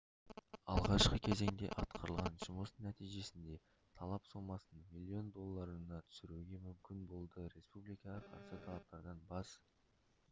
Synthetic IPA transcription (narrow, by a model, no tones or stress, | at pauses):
ɑ̰lˠʁɑʃqəkʲʰe̞ze̞ŋd̪e̞̰ʔɑt̪qʰəɾəlˠʁɑnʒʊməsnæt̪ijʒe̞sɪnd̪e̞ | t̪ʰɑlˠɑpsomɑsmilʲˠːio̞nd̪o̞lˠːɑɾənɑt̪ʰʏ̥sɪɾuɡʲe̞mʏmkʲɪnbo̞lˠd̪əɾe̞spublijkɑʁəqʰɑ̰ɾsət̪ʰɑlˠɑp̚t̪ɑɾd̪ɑnbɑs